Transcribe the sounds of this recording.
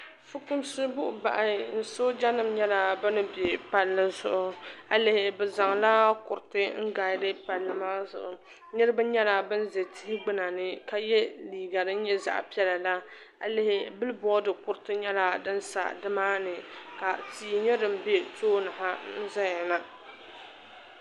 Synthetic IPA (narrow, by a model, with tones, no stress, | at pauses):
fɨ˦kʊ˦m˦sɨ˦bʊ˦ʔʊ˨ba̰˨ʔa˨n̩˨so˦d͡ʒa˦nɨ˨m˦ɲɛ˦la˨bɨ˦nɨ˦be˨pa˨lːɨ˦zʊ˨ʔʊ˨a˨lɪ˨hɪ˨bɛ˨za˨ŋla˦kʊ˨ɾɨ˨tɨ˦ŋ̩˦ɡaː˨˦dɨ˦pa˨lːɨ˨maː˦zʊ̰˨ʔʊ˨ | nɨ˦ɾɨ˦bɨ˦ɲɛ˦la˨bɨ˦n̩˦ze˨tɪ˦hɪ˦ɡ͡bɨ˦na˨nɨ˦ka˨jɛ˦liː˨ɡa˨ɾɨ˦n̩˦ɲɛ˦za̰˨ʔpi˦ɛ˦la˨la˦ | a˨lɪ˨hɪ˦bɨ˦lɨ˦bɔ˦dɨ˨kʊ˦ɾɨ˦tɨ˦ɲɛ˦la˦dɨ˦n̩˦sa̰˨dɨ˦maː˦nɨ˨ka˨tiː˨ɲɛ˦dɨ˨m̩˨be˦toː˦nɨ˨ɦa˦n̩˦za˦ɲa˨na˦